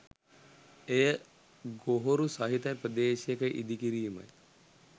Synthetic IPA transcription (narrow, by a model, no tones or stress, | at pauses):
ejə | ɡoɦoɾusɐɦit̪aprəd̪eːʃjekəʔid̪ikiɾiːmə̰j